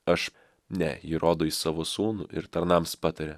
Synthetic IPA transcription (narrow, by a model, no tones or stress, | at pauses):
ɐʃ | nʲɛjiɾʔoːd̪oːisɑːʋoːsuːnʊ̰ʔɪ̰ɾt̪ɐɾnɑmspɑt̪ɐɾʲe